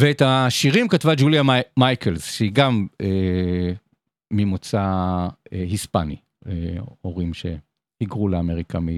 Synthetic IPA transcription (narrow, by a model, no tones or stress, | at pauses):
veethaʃiʁimkatvad͡ʒuljamajkʰelzʃeiɡame | imot͡sa | ehispa̰nḭ | eoʁimʃe̞̰ | hiɡʁuleameʁika̰mi